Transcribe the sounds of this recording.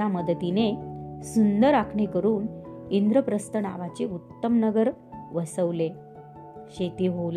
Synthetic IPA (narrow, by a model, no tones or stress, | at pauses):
aməd̪ət̪inesund̪əɾakʰɳekəɾuːnind̪ɾəpɾəst̪əna̰ʋat͡seut̪ːəmnəɡəɾ | ʋəsəʋle | ɕet̪iɦol